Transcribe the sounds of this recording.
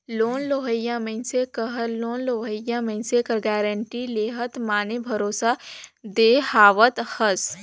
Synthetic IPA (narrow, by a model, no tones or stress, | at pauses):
loːnloːɦəjãmə̃nsekəɦəloːnloːɦəjãmə̃nsekəɾɡɛːɾəɳʈileːɦət̪maːnebʱɐɾoːsad̪eːhaːʋət̪həs